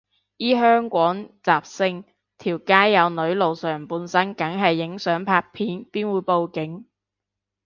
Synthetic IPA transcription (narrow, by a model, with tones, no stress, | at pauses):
jiː˥ɦœː˥ŋkʷɔː˨˥ŋt͡saː˨p̚sɪ˧˥ŋ | t̪ʰiː˨˩wkaː˥jːɐ˨˧wnɵ˨˥ɥlo˨wsœː˨˩ŋpuː˧nsɐ˥nkɐ˨˥ŋɦɐ˨jːɪ˨˥ŋsœː˨˥ŋpʰaː˧k̚pʰiː˨˥npiː˥nwuː˨˧jpo˨wkɪ˨˥ŋ